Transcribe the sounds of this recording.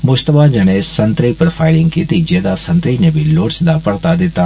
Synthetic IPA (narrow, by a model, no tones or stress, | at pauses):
mʊd͡ʒt̪əbad͡ʒɐneːsɐ̃nt̪ɾipɾofʰaːɪlɪ̃ŋɡkiːt̪id͡ʒed̪asɐ̃nt̪ɾinebʱiloːʈsd̪apɐɽt̪ad̪ɪt̪a